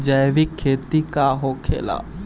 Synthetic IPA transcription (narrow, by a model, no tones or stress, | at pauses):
d͡ʒəjʋikʰːeːt̪ikaɦokʰḛːla̰ː